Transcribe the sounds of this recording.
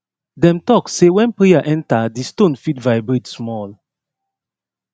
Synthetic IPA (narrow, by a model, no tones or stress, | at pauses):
dɛ̃mtɔkssewɛ̃npɹeaʔɛ̃ntadistõnfitvaɪbɹetsmɔl